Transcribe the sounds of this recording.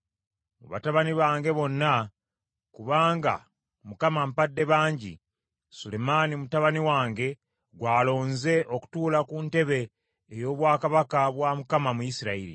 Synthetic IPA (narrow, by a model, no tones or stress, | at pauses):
mṵβa̰taβaniβaːŋɡe̞βo̞nːa | kuβaːŋɡa̰ | mukamampadːe̞βaːɲɟḭ | sule̞manimutaβaniwaːŋɡe̞ | ɡwaːlo̞ːnze̞ʔo̞ku̥tuːlakunte̞βeː | jo̞ːβwaːkaβakaβwamukamamujisiɾaiɾḭ